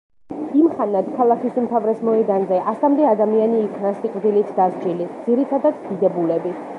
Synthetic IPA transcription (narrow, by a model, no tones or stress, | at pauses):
imχanat̪kʰalˠakʰisumt̪ʰavɾɛsmɔɛd̪anzɛʔasamd̪ɛad̪amianiːkʰnasiqʼvd̪ilit̪ʰd̪azd͡ʒilid̪z̥iɾit̪ʰad̪at̪d̪id̪ɛbulɛbi